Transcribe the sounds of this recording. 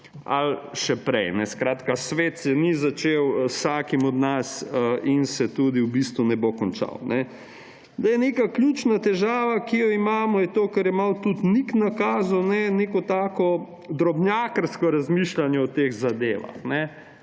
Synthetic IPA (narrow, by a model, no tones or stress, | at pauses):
a̰lʃɛpɾɛjnɛskɾaːt̪kasʋeːt̪sɛnizat͡ʃewsaːkimɔd̪nasinsɛt̪uːd̪iwbist̪ʋunɛbokɔnt͡ʃa̰wnɛ | d̪ajɛneːkaklʲjut͡ʃnat̪ɛʒaːʋakijɔimaːmɔjɛt̪oːkɐɾjɛmawt̪ut̪niknakaːzɔnɛnekɔt̪aːkɔ | d̪ɾɔbnjaːkəɾskɔɾazmiʃlanjɛɔt̪eɣzad̪eːʋa̰xnɛ